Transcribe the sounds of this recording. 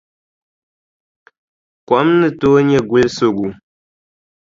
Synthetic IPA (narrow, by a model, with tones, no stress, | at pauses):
kɔ˨˦mnɨ˦˨toː˦ɲɛ˦˨ɡu˦lso˦˨ɣu˨